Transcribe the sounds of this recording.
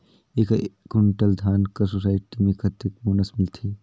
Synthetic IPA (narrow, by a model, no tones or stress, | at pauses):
eːkkʊɳʈəld̪ʱjaːnkɐɾsosaːɪʈimẽkʰɐt̪ək̚boːnəsmɪlt̪ʰiː